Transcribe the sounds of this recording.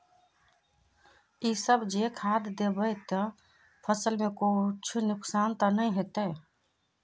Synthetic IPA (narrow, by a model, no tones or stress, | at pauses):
isəbd͡ʒekʰaːd̪d̪ebəjt̪ə | pʰəsəlmẽkut͡ʃʰnʊksaːnt̪ənəĩɦet̪ə